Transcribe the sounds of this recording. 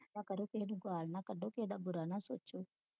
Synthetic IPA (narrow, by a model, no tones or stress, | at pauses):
nakɐɾokenuɡaːlnakɐɖoked̪abuɾanasot͡ʃːu